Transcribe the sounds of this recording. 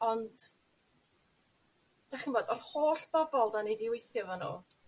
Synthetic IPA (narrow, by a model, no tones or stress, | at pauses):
ɔnd | d̥aχinboːdɔrhoːɬb̥ɔbɔlˠdanejdiwejθjɔvɔnṵː